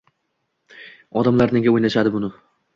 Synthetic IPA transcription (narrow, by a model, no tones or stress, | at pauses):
ɒd̪amlaɾne̞ɡʲaojnaʃad̪ɪbʊnɪ